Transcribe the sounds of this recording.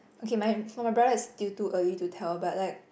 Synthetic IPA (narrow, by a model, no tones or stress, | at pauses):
okʰemaɪfɔmajbɹadəɪstiltuʔəlitutʰɛləbaʊtlaɪk̚